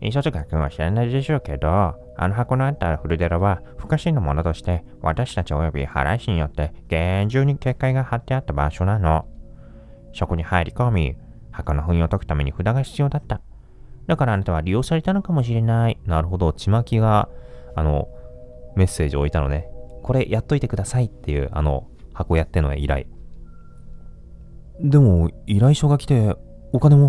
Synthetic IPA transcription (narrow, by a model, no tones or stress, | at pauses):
isot̪okakɯ̟̃ɰ̃βa̰ɕiɾanaid̪e̞ɕo̞ːke̞d̪o | a̰noɦako̞noat̪ːaɸɯ̟ɾɯ̟d̪eɾaβaɸɯ̟̥kaɕinːomo̞no̞t̪o̞ɕi̥t̪e̞ | βa̰t̪aɕi̥t̪at͡ɕio̞jo̞bʲḭha̰ɾa̰iɕiɲ̟ijo̞t̪ːe̞ɡ̥e̞ɲ̟d͡ʑɨːɲ̟ike̞ːkːaiɡahat̪ːe̞at̪ːaba̰ɕo̞nano̞ | ɕo̞koɲ̟ihaeɾʲikomʲi | hakonoɸɯ̟̃ĩot̪o̞kɯ̟t̪ame̞ɲiɸɯ̟d̪aɡaçʲi̥t͡sɨjo̞ːd̪at̪ːa | d̪akaɾaːnat̪aβaɾʲijo̞ːsaɾe̞t̪ano̞kamo̞ɕ̬iɾe̞nainaɾɯ̟ɦo̞d̪o̞t͡ɕimakʲiɡaːno̞̰ | me̞sːe̞ːʑio̞it̪ano̞̰ne̞ko̞ɾe̞jʔat̪ːo̞it̪e̞kɯ̟d̪asait̪ːe̞jɯ̟̰a̰no̞̰ | hako̞ːjat̪ːe̞no̞̰ḛiɾa̰ḭ | d̪e̞mo̞iɾaiɕo̞ɡakʲi̥t̪e̞ | okane̞mo